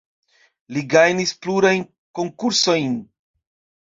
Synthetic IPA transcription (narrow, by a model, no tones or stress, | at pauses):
liɡajnispluɾajn | ko̞ŋkuɾso̞jn